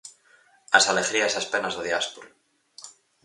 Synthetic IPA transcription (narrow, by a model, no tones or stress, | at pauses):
asaleɣɾiasaspenazðoðjaspoɾu